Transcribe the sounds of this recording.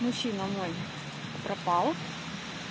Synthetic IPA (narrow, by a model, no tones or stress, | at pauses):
mʊɕːinɐmoj | pɾɐpɑlˠ